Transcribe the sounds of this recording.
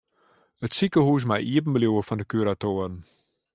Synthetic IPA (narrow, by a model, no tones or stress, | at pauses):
ətsikəhuːs̬majʔiəpən̩bəljuəfɔndəkyɾatoːərn̩